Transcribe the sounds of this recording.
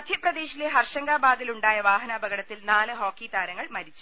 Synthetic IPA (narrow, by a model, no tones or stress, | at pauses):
ɐd̪ʱjɐprɐd̪e̞ːɕileɦɐrʂɐŋɡaːbaːd̪iluɳɖaːjɐʋaːɦɐnaːbɐɣɐɽɐt̪ːilnaːlɨɦoːkːiːt̪aːɾɐŋːɐɭmɐɾit͡ɕːu̥